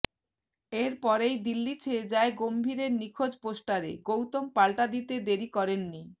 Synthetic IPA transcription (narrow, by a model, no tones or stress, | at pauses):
eɾpɔɾejd̪ilːit͡ɕʰeed͡ʑaeɡombʱiɾeɾnikʰod͡ʑpoʃʈaɾḛɡowt̪ompalʈad̪it̪ed̪eɾikɔɾenːi